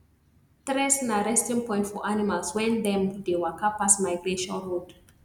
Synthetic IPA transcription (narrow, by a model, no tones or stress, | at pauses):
tɾɛsnaɹɛstĩŋpɔ̃j̃ntfɔʔanimalswɛ̃ndɛ̃mdewakapasmaɪɡɹeʃɔ̃nɹod